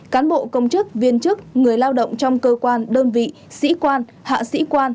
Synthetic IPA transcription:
kaː˨˦nɓo̰˧˨kə˧wŋ͡mt͡ɕɨ˦˥k̚vi˧ənt͡ɕɨ˦˥k̚ŋɨ˨˩əjlaː˧wɗə̰˧˨wŋ͡mt͡ɕɔ˧wŋ͡mkəː˧kwaː˧nɗəː˧nvḭ˧˨ | sḭ˧˥kwaː˧n | ha̰ː˧˨sḭ˧˥kwaː˧n

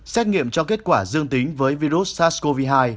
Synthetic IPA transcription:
sɛ˦˥t̚ŋḭ˧˨əmt͡ɕɔ˧ke˦˥ət̚kwaː˧˩zɨ˧əŋt̪ï˨˦ŋ̟vəː˨˦jvi˧zu˦˥t̚saː˦˥sko˧vi˧ɦaː˧j

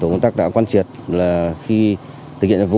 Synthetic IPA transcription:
o˨˩ə˧wŋ͡mt̪a˦˥ɗa̰ː˧˥kwaː˧nt͡ɕi˨˩ət̚laː˨˩xi˧ | t̪ʰɨ˨˩k̚hḭ˧˨t͡ɕvu˧

